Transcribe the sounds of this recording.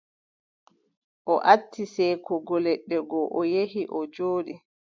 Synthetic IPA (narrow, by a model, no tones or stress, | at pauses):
ʔɔʔatʰːisɛjkʰɔɡɔlɛɗːɛɡɔʔɔjehiʔɔd͡ʒoːɗi